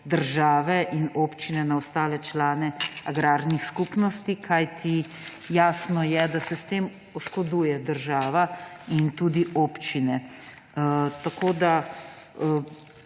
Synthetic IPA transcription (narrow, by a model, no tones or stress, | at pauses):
d̪əɾʒaːʋɛʔinoːpt͡ʃinɛnaɔst̪aːlɛt͡ʃlaːnɛaɡɾaːɾnixskupnɔst̪ikʰajt̪ʰi | jaːsnɔjɛd̪asɛst̪eːm | ɔʃkɔd̪uːjɛd̪əɾʒaːʋaint̪ud̪iʔoːpt͡ʃinɛ | t̪akoːd̪a